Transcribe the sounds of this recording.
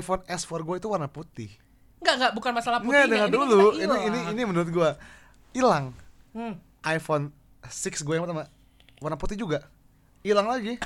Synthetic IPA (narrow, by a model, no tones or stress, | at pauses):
jfɔnɛsfɔrɡuait̪uwarnaput̪ɪh | ŋɡaŋɡaʔbukanmasalahpuɡadəŋaduluiiiniinimənuɾʊt̪̚ɡua | ilaŋ | ʔajfon | sɪksɡuajaŋpərt̪ama | warnaput̪ihd͡ʒuɡa | ilaŋlaɡi